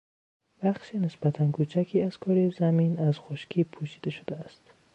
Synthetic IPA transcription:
bæχʃiːnesbæt̪ʰænkʰuːt͡ʃʰækʰiːæz̥kʰɒɾizæminæz̥xoʃkʰiːpʰuːʃid̪eʃod̪eæst̪

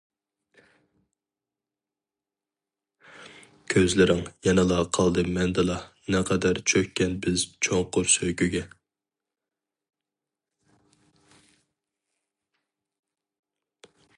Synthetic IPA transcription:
kʲʰøzlɪɾɪŋjɛnɨlˠɑqʰɑlˠd̪ɨmɛnd̪ɨlˠɑ | nɛqʰɑd̪æɾt͡ʃʰøkʲkʲːɛnbɪzt͡ʃʰoŋqʰʊɾsøjkʲyɡʲɛ

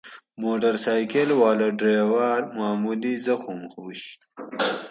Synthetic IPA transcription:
moːʈɐɾsaːjkelwaːlɐɖɾeːwaːɾmaːmulizɐxumxuːɕ

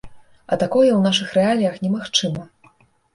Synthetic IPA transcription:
ɐ̰t̪akɔjɛwnaʂɨxrɛalʲijɐxnʲɛmaxt͡ʂɨmɐ

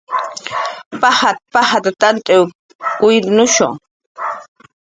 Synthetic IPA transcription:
pahat̪̚pahat̪at̪ant̪ʼew | kʊjɾnʊʃʊ̰ŋ

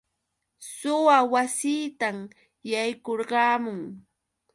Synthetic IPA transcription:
sʊwawasiːt̪am | jajkoɾɢɑːmʊŋ

